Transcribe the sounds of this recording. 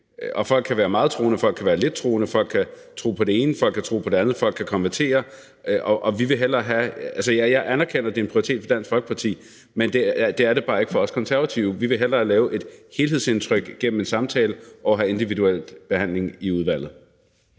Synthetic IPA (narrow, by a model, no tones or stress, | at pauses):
ʔɒ̽fɒ̽l̰ɡ̥̚kʰːæʋæːɐmɑ̈ːð̩ˠt͡sʰʁo̝ːnəfɒ̽l̰ɡ̥kʰæʋæːɐle̝d̥̚t͡sʰʁo̝ːnəfɒ̽l̰ɡ̥̚kʰæ | t͡sʰʁo̝̰ːpʰɒ̽d̥e̝e̝ːnəfɒ̽l̰ɡ̥̚kʰæt͡sʰʁo̰ːpʰɒ̽ɾe̝ænð̩ˠfɒl̰ɡ̥kʰækʰɒ̽nʋæɐt͡sʰe̝̰ːɐ | ʔɒ̽ʔɒ̽ʋiʋe̝ɦel̰ɐɦæælsəjjɑ̈ɪʔænæɐkʰen̰ɐd̥e̝enpʰʁiɐit͡sʰe̝̰ːd̥fɒ̽d̥æn̰sɡ̥fɒlɡ̥ə̥pʰɑ̈t͡sʰḭː | mend̥ed̥e̝æɐɾe̝b̥ɑ̈ːe̝ɡ̥əfɒ̽ɒ̽skʰɒ̽nsæɐæt͡sʰiʊʋiʋe̝ɦel̰ɐlɛːʊʔe̝d̥he̝lhe̝ð̞̰ˠse̝nt͡sʰʁœɡ̥ɡ̥en̰m̩e̝nsɑ̈mt͡sʰɛːləʔɒʊɦæe̝nd̥iʋiduel̰b̥e̝hæn̰le̝ŋiuð̞ˠʋæl̰ð̩ˠ